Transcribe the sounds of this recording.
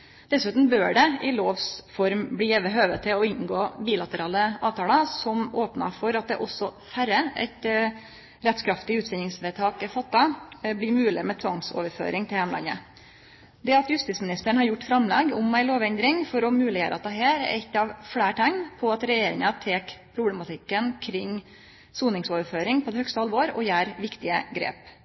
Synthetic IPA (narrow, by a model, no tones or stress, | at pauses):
d̪̥ɛsʉːt̪n̩bøːɖɛʔɪloːʋsfɔɾmbliːɛʋəɦøːʋət̪ʰɪlɔɪnɡoːbiːlɑt̪əɾɑːləʔɑːʋt̪ʰɑːlɑsɔmoːpnɑ̰fɔɾɑt̪̚d̪ɛʔɔsɔfæɾəɛ̰ɪt̪ | ɾɛt̪skʰɾɑft̪ɪʉːt̪ʋɛnɪŋsʋɛt̪ʰɑːkɛfɑt̪ːɑbliːmʉːlɪmɛt̪ʰʋɑŋso̰ːʋəɾfø̰ːɾɪŋt̪ʰɪljɛmlɑ̰nə̰ | d̪ɛɑt̪jʉst̪iːtsmɪnɪst̪əɳhɑɾjʊʈːfɾɑmlɛɡʊmæɪloːʋɛnd̪ɾɪŋfɔɾɔmʉːlɪjø̰ːɾʔəɑ̰t̪̚ɛɦæːɾɛ̰t̪ːɑʋfɽæːʈʰɛŋnpʰɔɑt̪ɾɛjeːɾɪ̰ŋɑt̪ʰeːkpʰɾʊblɛmɑt̪ʰɪkːənkʰɾɪŋː | suːnɪŋsoːʋəɾføːɾɪŋpʰɔd̪ɛhœkst̪əhɑlʋoːɾɔ̰jæːɾʋɪkt̪ɪəɡɾḛːp